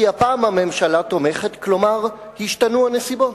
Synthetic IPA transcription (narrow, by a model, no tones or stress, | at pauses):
iapaːmame̞mʃalat̪o̞me̞χe̞t̪klo̞maʁ | hiʃtanuane̞sibo̞t